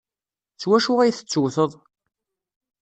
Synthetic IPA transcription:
t͡sːwæʃuʁæjθə̥t͡sːʊwθəðˤ

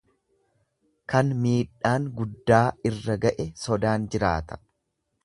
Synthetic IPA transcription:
kɐnmiːᶑaːŋɡʊd̪ːaːɪrːɐɡɐʔɛsɔd̪aːnd͡ʒɪɾa̰ːt̪ɐ̥

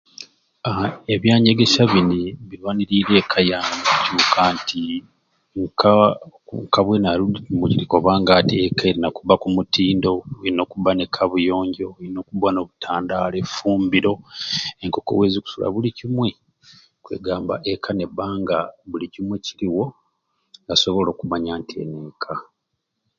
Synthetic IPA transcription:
aeβjaːɲeɡe̞ʃaβiniβilwaniɾiɾe̞ːkʰajaːmmacuːkʰaːntʰi | ŋkʰauŋkaβwenaluiimuciɾiko̞βaːŋɡatiekʰaeɾinakuβakumutʰiːndo̞ino̞ːkuβanekʰaβujo̞ːɲɟo̞ino̞ːkuβano̞βutʰaːndaːlefuːmbiɾo̞eŋko̞ko̞̰weːziku̥sula̰βulicimwe̞ | kwḛɡaːmba̰ʔekʰane̞βaːŋɡaβulicimweciɾiwo̞ | ŋɡaso̞βo̞lo̞ːkumaɲaːntʰie̞̰nekʰa

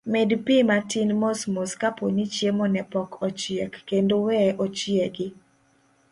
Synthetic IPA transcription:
mɛdpimatɪnmosmoskaponit͡ʃjemɔnɛpɔkɔt͡ʃiekːendowɛʔot͡ʃieɡɪ

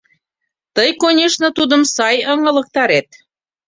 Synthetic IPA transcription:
t̪əjkonʲeʃnə̆t̪ud̪ə̆msɑjəŋə̆lə̆k̚t̪ɑɾet̪̚

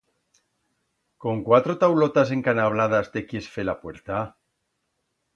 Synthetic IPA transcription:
ko̞ŋkwat̪ɾot̪awlot̪as̬e̞ŋkanaβ̞laðast̪ekjesfelapwe̞ɾt̪a

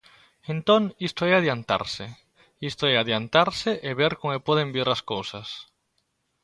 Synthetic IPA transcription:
ent̪oŋist̪oɛaðjant̪a̰ɾse | ist̪oɛaðjant̪aɾsɪʔeβeɾkoŋɛpɔðembiɾaskowsɐs

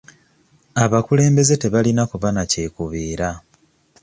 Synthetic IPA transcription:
aβakule̞ːmbe̞ze̞te̞βalinakuβanace̞ːkuβiːɾa

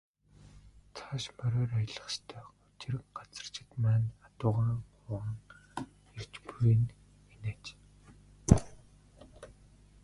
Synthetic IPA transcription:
t͡sʰaʃmœɾɔːrajə̆ɮə̆χst̪ʰœːʊt͡ɕɪ̆rɢ̥at͡sə̥̆r̥t͡ɕʰɪ̆t̪mæːnat̪ʊːʁriɴχʊə̆ŋ | ert͡ɕpujɘ̆n | eneːt͡ɕ

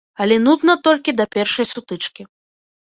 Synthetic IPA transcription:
ɐlʲɛnud̪nɐt̪ɔlʲkʲid̪ɐpʲɛrʂɐjsut̪ɨt͡ʂkʲi

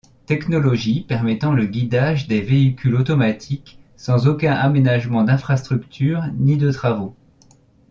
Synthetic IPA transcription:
t̪ɛknɔlɔʒipɛʁmɛt̪ɑ̃ləɡʲid̪aʒd̪eveikʲʰylot̪ɔmat̪ʰik | sɑ̃zokʲɛ̃ʔamenaʒmɑ̃d̪ɛ̃fχast̪χykt̪ʰyːʁnid̪ət̪χavo

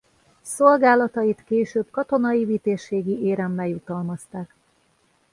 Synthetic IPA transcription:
solɡaːlɒt̪ɒjit̪keːʃøːb̚kɒt̪o̞nɒjivit̪eːʃeːɡiʔeːɾɛmːɛjut̪ɒlmɒst̪aːk

